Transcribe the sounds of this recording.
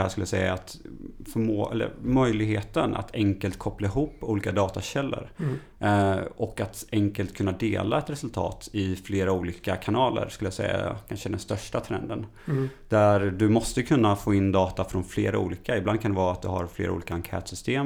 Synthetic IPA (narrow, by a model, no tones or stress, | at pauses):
hæːʂkɵləjasɛjːa̰ːt̪fœmoːɛ̰lːə̰ɾmœjlɪɡheːt̪ənʔa̰t̪ʰɛŋkəlt̪kʰɔplaɪɦuːpːuːliːkad̪ɑːt̪aɕɛlːə̰ɾ | ɔkːat̪ɛŋkəlt̪kʰɵnːad̪eːla̰ɛt̪ɾɛsɵlt̪ʰɑ̰ːt̪ɪfleːɾauːliːkakʰanɑːlə̰ɾskɵləjasɛ̰jːa̰kʰanʂəd̪ɛnst̪œʂʈat̪ʰɾɛ̰nd̪ən | d̪̥æɾd̪ɵmɔst̪əkʰɵnːafoːɪnːd̪ɑːt̪afɾɔnflḛːɾaṵːliːkaɪbland̪̚kʰand̪ɛvɑːat̪̚d̪ɵɦa̰ɾflḛːɾṵːliːkaaŋkʰɛ̰ːt̪sʏst̪eːm